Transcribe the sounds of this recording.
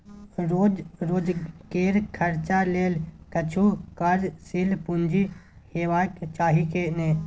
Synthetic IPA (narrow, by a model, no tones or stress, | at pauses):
ɾoːd͡ʒɾoːd͡ʒkeːɾkʰəɾt͡ʃaleːlkət͡ʃʰukaɾsilpund͡ʒi | heːʋaːjkt͡ʃaːɦikeneː